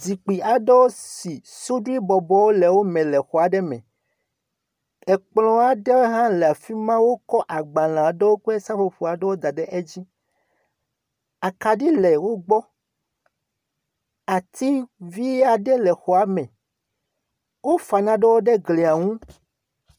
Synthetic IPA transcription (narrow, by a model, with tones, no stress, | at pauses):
zi˨k͡pi˨a˨ɖe˦wo˦si˨su˦ɖu˦i˦bɔ˨bɔ˦wo˦lɛ˨wo˦mɛ̃˨lɛ˨xɔ˨a˨ɖɛ˦mɛ̰̃˨ | ɛ˨k͡plɔ̃˦a˨ɖe˦wɦã˦lɛ˨a˨fi˦mã˦wo˦kɔ˦ʔa˨ɡ͡bã˨l̃ã˨ɖe˦wo˦k͡pɛ˦sa˦fo˨ɸo˨a˨ɖɛ˦wo˦d̪a˨ɖɛ˦ʔe˦d͡ʑi˦ | a˨ka˨ɖi˦lɛ˨wo˦ɡ͡bɔ˦ | a˨t̪i˦vi˦a˨ɖɛ˦lɛ˨xɔ˨a˨mɛ̃˨ | wo˦fa˨nã˨ɖɛ˦wo˦ɖe˦ɡli˨a˨ŋũ˦